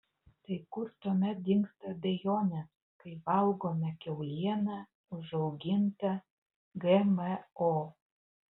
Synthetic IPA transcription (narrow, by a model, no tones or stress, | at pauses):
t̪ɐɪkʊɾt̪uɔmʲɛt̪̚d̪ʲɪŋkst̪ɐd̪ʲejoːnʲɛs | kɐɪʋɐlˠɡoːmʲɛkʲɛʊlʲiɛnɐ | ʊʒɐʊɡʲɪnt̪ɐ | ɡɛməo